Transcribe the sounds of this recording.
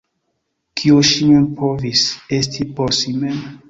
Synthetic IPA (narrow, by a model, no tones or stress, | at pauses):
kʰioʃinepʰovisestʰiposime